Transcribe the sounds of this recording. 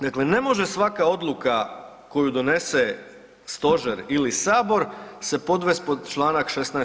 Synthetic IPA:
d̪akle̞ne̞mo̞ʒesʋakao̞d̪lˠuka | ko̞jud̪o̞ne̞se | st̪o̞ʒeɾilisaːbo̞ɾse̞po̞d̪ʋest̪̚po̞d̪t͡ʃlˠaːnakʃest̪na

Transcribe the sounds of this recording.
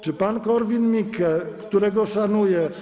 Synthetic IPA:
t͡ʂɨpankɔɾvʲinmʲikʰɛkt̪uɾɛɡɔʂanujɛ

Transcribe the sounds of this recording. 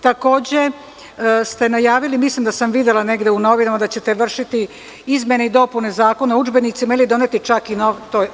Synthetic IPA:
t̪ako̞ːd͡ʑe | st̪e̞najaːʋilimislimd̪asamʋid̪jelˠane̞ɡd̪euno̞ʋinamad̪at͡ɕe̞t̪eʋr̩ʃit̪i | izmje̞neid̪o̞pune̞zaːko̞naud͡ʒbe̞nit̪simailid̪o̞net̪it͡ʃakinoʋt̪oj

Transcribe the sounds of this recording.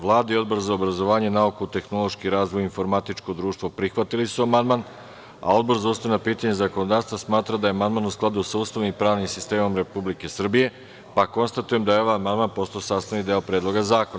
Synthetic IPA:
ʋlˠaːd̪aio̞d̪bo̞ɾzaobɾazo̞ʋaːɲenaukuut̪e̞xno̞lˠo̞ʃkiɾaːzʋojinfo̞ɾmat̪it͡ʂko̞d̪ɾuːʃt̪ʋopɾixʋat̪ilisuamand̪man | a̰o̞d̪bo̞ɾzauːsavnapiːt̪aɲezakonod̪aːvst̪vasmaːt̪ɾad̪ajeamand̪maːnusklˠad̪usauːst̪aʋnimpɾaːʋnimsist̪e̞ːmo̞mɾe̞publike̞sr̩bije̞ | pako̞nst̪at̪uje̞md̪ajeo̞ʋajamand̪maːnpo̞st̪ojosaːst̪anid̪eolpɾeːd̪lˠo̞ɡazaːkona

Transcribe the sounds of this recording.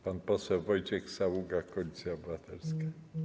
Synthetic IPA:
panpɔsɛwvɔjt͡ɕɛxsawuɡakɔlʲit̪sʲjaɔbɨvat̪ɛlska

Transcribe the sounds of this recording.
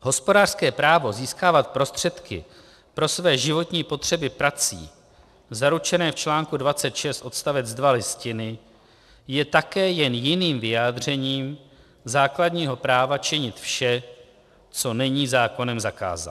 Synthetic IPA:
ɦo̞spo̞daːr̥skɛːpɾaːvo̞ziːskaːvat̪̚pɾo̞st̪r̝̥ɛt̪kɪ̰ | pɾo̞svɛːʒɪvo̞t̪ɲiːpo̞t̪r̥ɛbɪpɾat͡sḭː | zaɾut͡ʃɛnɛːft͡ʃlaːŋkudvat͡sɛt̪ʃɛst̪ʔo̞t̪st̪avɛd͡zdvalɪscɪnɪ | jɛt̪akɛːjɛnjɪniːmvɪjaːd̪r̝ɛɲiːm | zaːkladɲiːɦo̞pɾaːvat͡ʃɪɲɪt̪fʃɛ | t͡so̞nɛɲiːzaːko̞nɛmzaka̰ːza̰t̪

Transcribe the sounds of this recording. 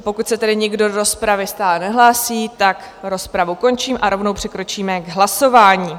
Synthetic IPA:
po̞kut̪sɛt̪ɛdɪɲɪɡdodoɾo̞spɾavɪst̪aːlɛnɛɦlaːsiːt̪ak | ɾo̞spɾavuko̞nt͡ʃiːmʔaɾo̞vnowpr̝̥ɪkɾo̞t͡ʃiːmɛɡɦlaso̞vaːɲiː

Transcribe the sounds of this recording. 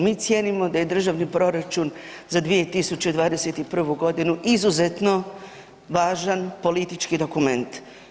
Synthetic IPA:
miːt̪sjenimo̞d̪aje̞d̪r̩ʒaʋnipɾo̞ɾat͡ʃun | zad̪ʋije̞t̪isut͡ɕed̪ʋaːd̪eset̪ipr̩ʋuɡo̞d̪inuʔizuze̞t̪no̞ | ʋaːʒanpo̞lit̪it͡ʃkid̪o̞kume̞nt̪

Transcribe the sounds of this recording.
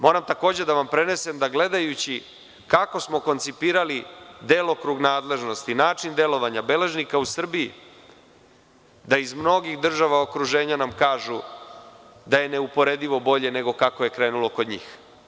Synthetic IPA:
mo̞ːɾamt̪ako̞ːd͡ʑed̪aʋampɾe̞ne̞se̞md̪aɡle̞d̪ajut͡ɕi | kako̞smo̞kont̪sipiːɾalid̪e̞ːlˠo̞kɾuɡnaːd̪le̞ʒno̞st̪inaːt͡ʂind̪e̞lo̞ʋaɲabe̞le̞ʒnikausr̩bii | d̪aizmno̞ɡixd̪r̩ʒaʋaokɾuʒe̞ːɲanamkaːʒu | d̪aje̞ne̞upo̞ɾe̞d̪iʋo̞bo̞ʎe̞ne̞ɡo̞kako̞je̞kɾe̞ːnulo̞kod̪ɲḭːx

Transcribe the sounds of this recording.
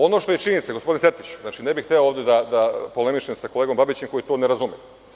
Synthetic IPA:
o̞no̞ʃt̪o̞jet͡ʃinit̪seɡospo̞d̪ineset̪it͡ɕu̥znaːt͡ʃine̞bixt̪eooːvd̪ed̪ad̪apo̞le̞miʃemsako̞leːɡo̞mbabit͡ɕemko̞jit̪oneɾazumi

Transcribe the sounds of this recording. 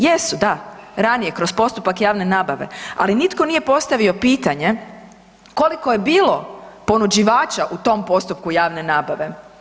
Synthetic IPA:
jesud̪aɾanije̞kɾo̞spo̞st̪upakjaːʋne̞naːbaʋe̞̰a̰linit̪ko̞nije̞po̞st̪aʋio̞piːt̪aɲe̞ | ko̞liko̞je̞biːlˠo̞po̞nud͡ʑiʋaːt͡ʃaʔut̪o̞mpo̞st̪up̚kujaːʋne̞naːbaʋe̞

